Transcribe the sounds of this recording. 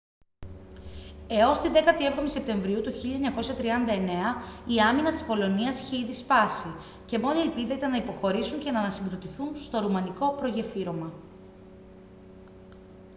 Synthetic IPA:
e̞o̞st̪iðe̞kɐt̪ie̞vðo̞mise̞p̚t̪e̞ɱvɾiut̪uçiʎɐeɲɐko̞sɐt̪ɾiɐnd̪ɐe̞ne̞ɐiɐminɐt̪i̥spo̞lo̞niɐsiçe̞iðispɐsi | ce̞mo̞nie̞lpiðɐit̪ɐnɐipo̞xo̞ɾisuɲce̞nɐːnɐsiŋɡɾo̞t̪iθunst̪o̞ɾumɐniko̞pɾo̞ʝe̞fiɾo̞mɐ

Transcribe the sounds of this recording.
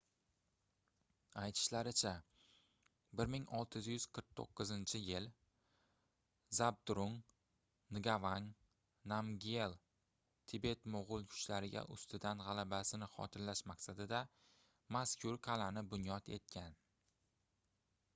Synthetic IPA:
ajt̪ʰɪ̥ʃlaɾɪt͡ʃʰa | bɪɾmɪŋɒlˠt̪ʰɪzjʏz̥qʰəɾq̚t̪ʰo̰qːɨzɪnt͡ʃʰɪjɪl | zab̚d̪ɾʊŋ | nɪɡʲavaŋ | namɡʲe̞lˠ | t̪ʰɪbe̞t̪moʁʊlˠkʰʊ̥t͡ʃlaɾɪɡʲa̰ʔʊ̰st̪ɪd̪anʁɑlabasɪnɪχɒ̰t̪ʰɪnlaʃmaqsad̪ɪd̪a | maskʲʰʊɾqʰɑlanɪbʊnjɒt̪ʰe̞̰t̪̚kʲʰan

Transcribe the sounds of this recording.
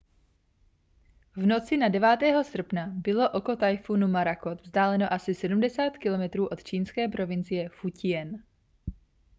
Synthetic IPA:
vno̞t͡sɪnadɛvaːt̪ɛːɦo̞sr̩pnabɪlo̞ʔoko̞t̪ajfunumaɾako̞t̪vzdaːlɛno̞ʔasɪsɛdumdɛsaːt̪kɪlo̞mɛt̪ɾuːʔo̞t̪t͡ʃiːnskɛːpɾo̞vɪnt͡sɪjɛfucɪjɛn

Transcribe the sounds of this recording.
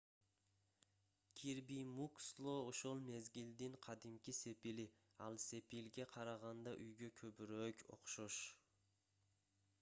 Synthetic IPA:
kʲʰiɾbimukslˠooʃolˠmezɡʲild̪ɪŋqʰɑd̪ɪmkʲʰɪse̞pilɪ | ɑlˠse̞pilɡʲaqʰɑɾɑʁɑnd̪ɑʔyjɡʲakʲʰɵbɾøkʲʰo̰qʃoʃ

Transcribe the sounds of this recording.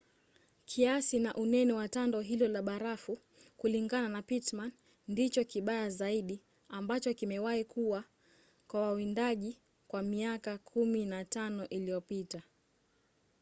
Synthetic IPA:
kʰiasinaʔunɛnɛwatandɔɦilɔlaɓaɾafu | kuliŋɡananapitman | ndit͡ʃɔkiɓajazaiɗi | ambat͡ʃɔkimɛwaikuwa | kwawawindaʄi | kwamiakakʰuminatanɔʔilijɔpita

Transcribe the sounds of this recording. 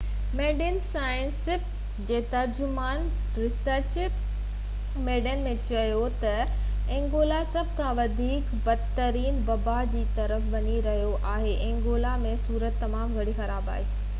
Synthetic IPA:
meːɖɪnsaːjə̃nsɪp | d͡ʑeːt̪ɐɾd͡ʑʊmaːn | ɾɪsəɾʃɪp | meːɖənmẽt͡ɕɐjot̪ɐ | ẽːŋɡoːlasɐbʱkʰãʋɐd̪ʱiːk | bɐd̪t̪əɾiːnbɐbad͡ʑiːt̪ɐɾəfʋɐɲiɾɐɦijoʔaːɦeʔẽːŋɡoːlamẽsuːɾət̪ːɐmaːmɡʱɐɽixɐɾaːba̰ːɦiː

